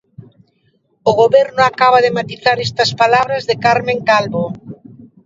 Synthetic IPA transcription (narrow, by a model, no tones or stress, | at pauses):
oɣoβɛɾnʊakaβ̞aðɪmat̪iθaɾɛst̪ɐspalaβɾɐzðɪkaɾmẽŋkalβo